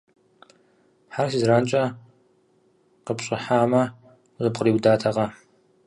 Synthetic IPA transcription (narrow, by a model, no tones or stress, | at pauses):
ħars̬izɾaːnt͡ʃʼɐ | qəpɕʼɪħaːmɐ | zɨp̚qʼəriːwdaːtʰɐʁɐ